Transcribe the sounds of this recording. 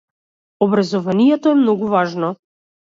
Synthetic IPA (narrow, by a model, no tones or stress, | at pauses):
ɔbɾazɔvanijɛt̪ɔɛmnɔɡuvaʒnɔ